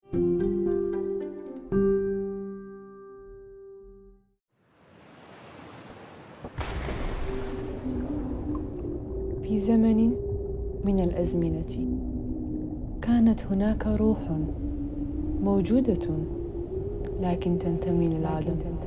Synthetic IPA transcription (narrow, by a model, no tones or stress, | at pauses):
fiːzamanɪ | mɪnalʔazmɪnat̪ | kaːnat̪hʊnaːkaɾˤuːħ | mowd͡ʒuːd̪a | laːkɪnt̪ant̪amilalʕaːd̪am